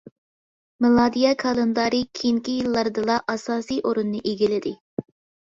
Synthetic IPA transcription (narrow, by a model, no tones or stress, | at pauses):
mɨlˠɑːd̪ijɛkʰɑlˠend̪ɑɾikʲʰiŋkʲijilˠːɑɾd̪ɨlˠɑʔɑsɑːsijʔoɾunːɨʔeɡʲilɪd̪ɪ